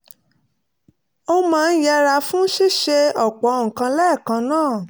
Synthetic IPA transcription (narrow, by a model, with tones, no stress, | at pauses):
o˧mãː˦˧˦ja˧ɾa˧fũ˦ʃi˦˨ʃe˧ɔ˦˨k͡pɔ˨˦ŋ̩˨kã˧lɛ˦˨kã˧nãː˦˨